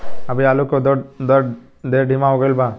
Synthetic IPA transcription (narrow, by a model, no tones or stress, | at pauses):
ɐbʱiaːlukod̪d̪ə | d̪eɾɖʱimaɦoɡəɪlba